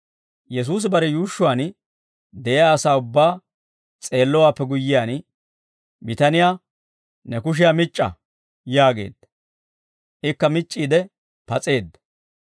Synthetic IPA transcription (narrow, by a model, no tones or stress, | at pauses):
jɛs̬uːs̬bɐɾɛjuːʃːʊwaːn | d̪ɛɪjaːsaːʊbːaː | t͡sʼe̞ːlːɔwaːpːɛɡʊjːɪjaːn | mɪt̪ɐnɪjaː | nɛkʊʃ̬ɪjamɪt͡ʃʼːɐ̰ | jaːɡe̞̰ːd̪ːɐ | ʔɪkːɐmɪt͡ʃʼːiːd̪ɛ | pɐt͡sʼe̞ːd̪ːɐ̥